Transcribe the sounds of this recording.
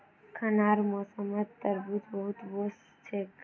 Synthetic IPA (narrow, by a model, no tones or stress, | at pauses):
kʰənaɾmosəməd̪̚t̪əɾbut̪bəɦut̪bos | t͡ʃʰek